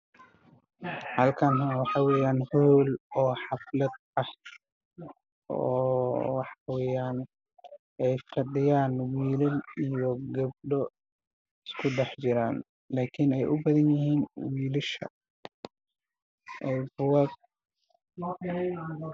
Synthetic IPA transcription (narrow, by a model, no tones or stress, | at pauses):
hɐlkʰɐnɦɐwɑħɑwɛːjaːnhɔːlɔːħɑflɐd̪̚ | ɐh | ʔɔːwɑħɑwɛːjaːn | ʔɛjfɐɖɪjaːnwiːlɐlijɔɡɐb̚ɖɔ | ɪskʰʊɖɛħt͡ʃɪɾaːn | laːkʰɪnɛjʔʊbɐðɐnjɪhiːnwiːlɪʃɐ̰ | ʔɛjbʊwɐd̪̚